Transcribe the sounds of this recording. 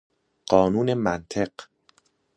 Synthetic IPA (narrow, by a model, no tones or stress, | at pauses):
ɢ̥ɒːnuːne̞mænt̪ʰe̞ɢ